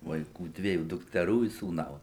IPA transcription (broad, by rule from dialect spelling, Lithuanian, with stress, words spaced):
ʋɐɪˈkuː ˈdʲʋʲiɛjuː dʊktʲɛˈruː ɪ suːˈnɐʊs